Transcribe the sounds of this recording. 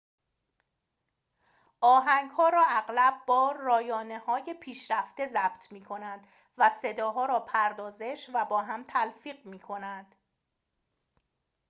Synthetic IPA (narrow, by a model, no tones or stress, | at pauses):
ʔɒːɦæŋɡhɒːɾɒːæɣlæb̚bɒːɾɒːjɒːne̞hɒːje̞pʰiːʃɾæft̪e̞zæb̥t̪ʰmiːkʰo̞nænd̪ | væse̞d̪ɒːɦɒːɾɒːpʰæɾd̪ɒːze̞ʃvæbɒːɦæmt̪ʰælfiːɢmiːkʰo̞nænd̪̥